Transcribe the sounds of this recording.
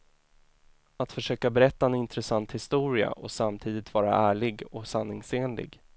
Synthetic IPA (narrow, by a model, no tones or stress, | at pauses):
at̪fœʂøːkabɛɾɛt̪ːaɛnɪnt̪ɾɛsant̪hɪst̪uːɾɪa̰ʔɔsamt̪ʰiːd̪ɪt̪vɑːɾa̰ʔæːɭɪɡɔsanːɪŋseːnlɪ̰ɡ